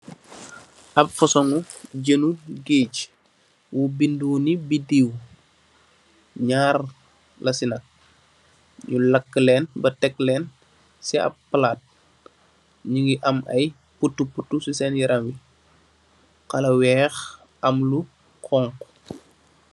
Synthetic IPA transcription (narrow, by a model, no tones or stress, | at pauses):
ʔɐpfɔsɔŋuɟənuɡeːc | wubinduːnibidiw | ɲaːr | lɐsinɐk̚ | ɲulɐkːlɛːnbɐtɛkːlɛːn | siɐ̰pːɐlaːt̚ | ɲuŋɡiʔɐmɐj | putːuputːususɛnjiɾʔɐmwi | kɐlɐwɛːx | ɐmlu | kʰɔːŋk